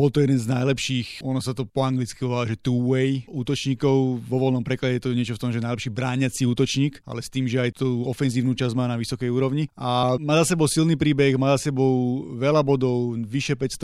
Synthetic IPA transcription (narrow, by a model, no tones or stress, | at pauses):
bɔlt̪ɔjɛd̪ɛnznajlɛpʃiːxʔɔnɔsat̪ɔpɔaŋɡlit͡skiɦɔaaʒɛt̪uːʋɛjuːt̪ɔt͡ʃɲiːkɔʊʋɔʋɔlnɔmpɾɛklaɟɛjɛt̪ɔɲɪɛt͡ʃɔft̪ɔmʒɛnajlɛpʃiːbɾaːɲat͡siuːt̪ɔt͡ʃɲiːka̰lɛst̪iːmʒɛajt̪uɔfɛnziːʊnuːt͡ʃazmaːnaʋisɔkɛjuːɾɔʊɲiʔamaːzasɛbɔʊsilniːpɾiːbɛɣmaːzasɛbɔʊʋɛlabɔd̪ɔʊʋiʃɛpɛcst̪